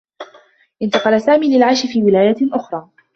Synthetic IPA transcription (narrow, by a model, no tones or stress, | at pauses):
ʔɪnt̪ɑqɑlasaːmiːlɪlʕaʃɪfiːwɪlaːjaʔʊxɾˤɑː